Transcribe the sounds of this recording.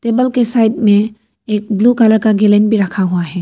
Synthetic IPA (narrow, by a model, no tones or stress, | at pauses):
teːbəlkesaːɪɖmẽ | eːk̚blukaləɾkaɡelẽnbʱiɾɐkʰaɦuaɦɛː